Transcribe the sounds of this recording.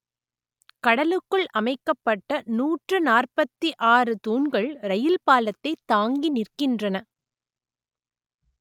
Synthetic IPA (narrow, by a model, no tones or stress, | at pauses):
kɐɽɐlɯkːɯɭʔɐmɐɪkːɐpːɐʈːɐnuːʈrɯnaːrpɐt̪ːiʔaːrɯt̪uːɳɡɐɭɾɐjɪlpaːlɐt̪ːɐɪt̪ːaːŋɡinɪrkɪndrɐnɐ